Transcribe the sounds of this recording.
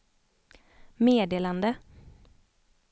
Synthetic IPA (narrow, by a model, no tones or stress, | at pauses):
meːd̪eːland̪ə